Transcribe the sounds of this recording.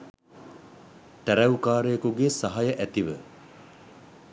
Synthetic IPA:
t̪æɾɛwukaːɾejːkuɡesaɦajəʔæt̪iʋə

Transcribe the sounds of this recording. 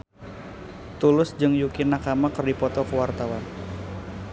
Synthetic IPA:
t̪ulʊsd͡ʒɨŋjukinakamakɨrdipɔt̪ɔkəwart̪awan

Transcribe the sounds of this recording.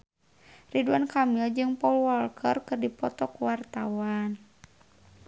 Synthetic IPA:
riduankamild͡ʒɨŋpɔulwɔlkʰərkɨrdipɔt̪ɔkuwart̪awan

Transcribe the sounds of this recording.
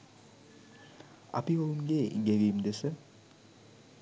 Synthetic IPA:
a̰piounɡeːɡeɡijmd̪esə

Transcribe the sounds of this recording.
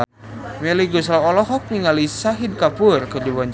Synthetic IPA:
mɛliɡuslawɔlɔɦɔk̚niŋalisaɦid̚kapurkərd͡ʒibaɲd͡ʒ

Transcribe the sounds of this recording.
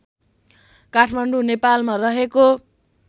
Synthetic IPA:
kaʈʰmaɳɖunepalmarʌɦeko

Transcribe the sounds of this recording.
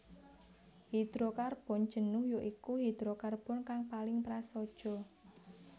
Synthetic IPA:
hid̪̥ɾokarb̥ɔ̤n̥d͡ʒ̥ə̤nʊhjoʔikuɦid̪̥ɾokarb̥ʊnkaŋpalɪŋpɾasɔd̥ʒ̥ɔ̤

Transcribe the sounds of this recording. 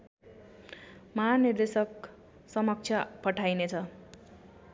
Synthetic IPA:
mʌɦanird̪esʌk | sʌmʌk̚t͡sʰjʌpʌʈʰajnet͡sʰʌ

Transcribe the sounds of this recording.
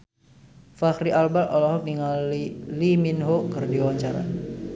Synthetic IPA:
faxɾiʔalbalʔɔlɔɦɔk̚niŋaliliminɦokərdiwaɲt͡ʃaɾa̰

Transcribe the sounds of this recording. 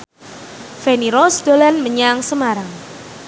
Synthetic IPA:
fɛniɾɔsd̪̥olanməɲaŋsəmaɾaŋ

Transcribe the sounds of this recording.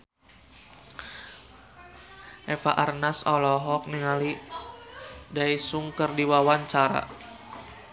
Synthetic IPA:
ʔɛfa̰ʔarnasɔlɔɦɔk̚niŋali | daisuŋkərdiwawaɲt͡ʃaɾa̰

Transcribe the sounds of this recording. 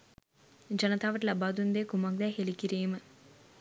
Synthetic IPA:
d͡ʒɐnɐt̪ʰaːʋɐʈlɐbaːd̪und̪eːkumaːk̚d̪aːɦelikiɾeːmɐ

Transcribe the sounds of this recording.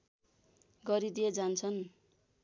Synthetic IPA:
ɡʌɾid̪ijed͡zant͡sʰʌn

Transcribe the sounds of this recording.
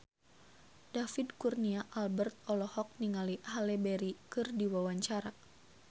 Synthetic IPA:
dafidkurniaʔalbərt̪̚ɔlɔhɔk̚niŋalihalebɛɾikɨrdiwawaɲt͡ʃaɾa

